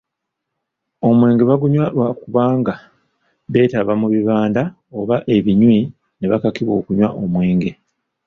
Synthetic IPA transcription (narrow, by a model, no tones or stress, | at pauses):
o̞mwe̞ːŋɡe̞βaɡuɲwawakuβaːŋɡa | βe̞ːtaβamuβiβaːnda | o̞βaʔe̞βiɲwi | ne̞βakakiβo̞ːkuɲwaʔomwe̞ːŋɡe̞